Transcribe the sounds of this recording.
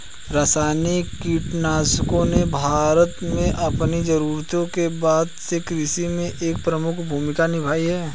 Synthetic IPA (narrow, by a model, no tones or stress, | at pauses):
ɾaːsaːnikkiːʈnaːskõnebʱaːɾət̪mẽʔɐpnid͡ʒɐɾuːɾt̪õkebaːd̪sekɾɪʃimẽʔeːk̚pɾəmʊkʰbʱuːmɪkanɪbʱaːiɦɛː